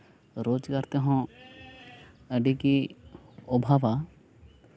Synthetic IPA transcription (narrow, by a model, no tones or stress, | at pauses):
ɾoːd͡ʒkɐɾt̪eɦõ | ɐɖiki | obʱaːʋa